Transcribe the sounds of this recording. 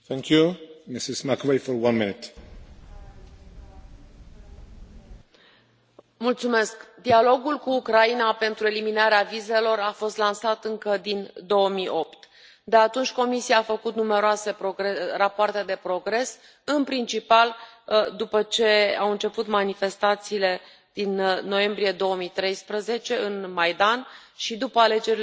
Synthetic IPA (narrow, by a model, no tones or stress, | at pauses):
θɛ̃ŋkʰjumɪsɪzmakovejfɔ˞wʌ̃nmɪnɪt | mult̪sume̞skd̪ialo̞ɡulkuːkɾainape̞nt̪ɾue̞liminaɾeavize̞lo̞ɾafo̞st̪lansat̪ɨŋkəd̪ind̪o̞wəmijʔo̞pt̪ | d̪e̞at̪unt͡ʃʲko̞misiaːfəkut̪nume̞ɾoase̞pɾoɾerapoart̪e̞d̪e̞pɾo̞ɡɾe̞s | ɨnpɾint͡ʃipald̪upət͡ʃe̞awɨnt͡ʃe̞put̪manife̞st̪at̪siːle̞ | d̪̥inːo̞je̞mbɾije̞d̪o̞wəmit̪ɾe̞jspɾəze̞t͡ʃe̞ɨnmajd̪anʃid̪upəale̞d͡ʒe̞ɾi